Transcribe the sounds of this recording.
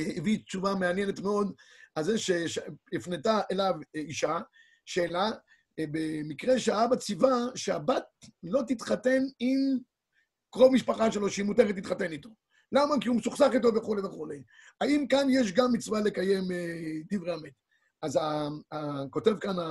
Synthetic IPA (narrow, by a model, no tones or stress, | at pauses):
ivit͡ʃuvameanjene̞t̪meo̞d̪azeʃeʃifnetaʔelaviʃa | ʃe̞ːla | bemikʁe̞ʃeaabat͡sivaʃeabat̚lo̞t̪it̪χate̞nim | kʁovmiʃpaχaʃelo̞ʃeimuteʁet̪ːit̪χate̞nit̪o̞ | lamakiumesuχsaχit̪o̞veχuleveχule̞j | aimkanjeʃ̬ɡamːit͡svale̞kaje̞med̪ivʁeamet̪ | azaako̞te̞vkana